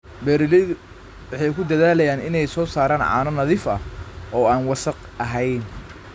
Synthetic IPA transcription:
bɛːɾɪlɪ | wɑħɑjkʰʊd̪ɐðaːlɐjaːnɪnɛjsɔːsaːɾaːnʕɑ̰ːnɔnɐðiːfɐ̰ʔɔːaːnwɑsɐq | ɐɦɛjn

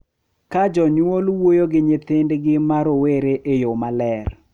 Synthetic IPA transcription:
kad͡ʒɔɲwolwojoɡɪɲɪt̪ɪndɡɪmaɾoweɾeʔejomalɛr

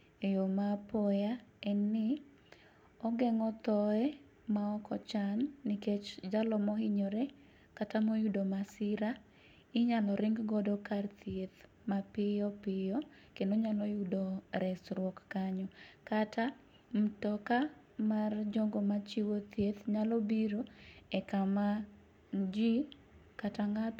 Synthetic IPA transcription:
ejomapɔjaɛnːɪ | ɔɡɛŋɔt̪ɔɛ | maɔkɔt͡ʃanːɪket͡ʃd͡ʒalɔmɔɦɪɲɔɾɛ | katamojudomasɪɾa | ɪɲalɔɾɪŋɡɡɔdɔkart̪jet̪ | mapɪjɔpɪjɔ | kendoɲalɔjudoɾɛsɾwɔkːaɲɔkatʰa | m̩tɔka | mard͡ʒɔŋɡomat͡ʃiwot̪jet̪ɲalɔbiɾoɛkama | nd͡ʒi | kataŋat

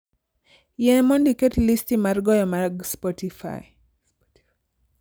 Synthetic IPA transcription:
jɛmɔndikɛtlistimaɾɡɔjɔmaɡspɔtifa̰j

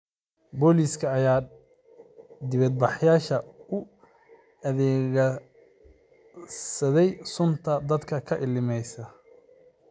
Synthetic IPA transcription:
bɔːliːskʰɐːjaː | d̪ɪβɐd̪̚bɑħjaːʃɐʊ | ɐðɛːɣɐ | sɐðɛjsʊnt̪ʰɐd̪ɐd̪kʰɐkʰɐʔɪlɪmɛjsɐ

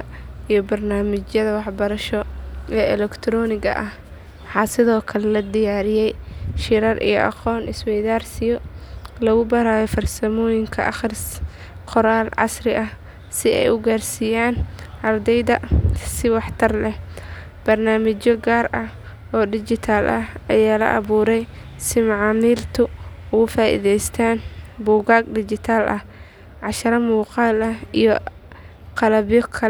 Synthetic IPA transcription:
ɐijɔbɐrnaːmɪt͡ʃjɐðɐwɑħbɐɾɐʃɔɛːɛlɛkt̪ʰɾɔːnɪɣɐ̰ʔɐh | wħɑːsɪðɔːkʰɐlɛlɐd̪ɪjaːɾɪjɛjʃɪɾɐrʔḭjɔ̰ʔɑ̰qɔːnʔɪswɛjðaːrsɪjɔlɐɣʊbɐɾaːjɔfɐrsɐmɔːjɪŋkʰɐ̰ʔɐχɪrs | qɔɾaːlʕɑ̰srɪʔɐh | sɪɛ̰jʊɡaːrsiːjaːnʔɐrd̪ɛjðɐsɪwɑħt̪ʰɐrlɛh | b̥ɐrnaːmɪt͡ʃɔɡaːrɐh | ʔɔːdɪt͡ʃɪt̪ʰaːlʔɐhɐjaːlɐ̰ʔɑ̰βuːɾɛjsɪmɑʕɑːmiːlt̪ʰʊʊɣʊfaːʔḭðɛjst̪ʰaːnbuːɣaːɡdɪt͡ʃɪt̪ʰaːlʔɐh | ʕɑʃɐɾɐmuːqɑːlɐhijɔ | qɑlɐβjɔkʰɐ

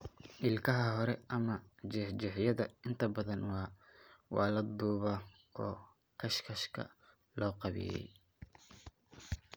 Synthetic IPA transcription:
ʔɪlkʰɐɦɐɦɔɾɛʔɐmɐt͡ʃɛħd͡ʒɛħjɐðɐɪnt̪ʰɐbɐðɐnwɑːwɑ̰ːlɐd̪uːβɐ | ɔː | kʰɐʃkʰɐʃkʰɐ̰ | lɔːqɑβɪ̰jɛ̰j

